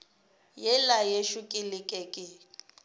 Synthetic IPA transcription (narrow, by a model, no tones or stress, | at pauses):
jɛlajeʃʊkʼɪlɪkʼɛkʼɪ